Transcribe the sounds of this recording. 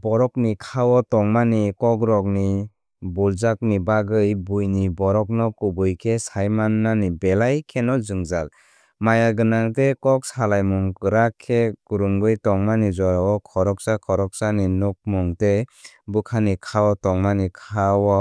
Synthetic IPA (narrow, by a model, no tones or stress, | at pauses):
bɔɾɔknikʰawɔtɔŋmanikɔkɾɔk̚ni | bulzak̚nibaɡɯjbujnibɔɾɔk̚nɔkubɯjkʰesajmanːanibelajkʰenɔzɯŋzal | majaɡɯnaŋtekɔk̚salajmuŋkɯɾakʰːekuɾuŋɡɯjtɔŋmanizɔɾaɔkʰɔɾɔk̚sakʰɔɾɔk̚saninuk̚mɔŋte | bɯkʰanikʰawɔtɔŋmanikʰawɔ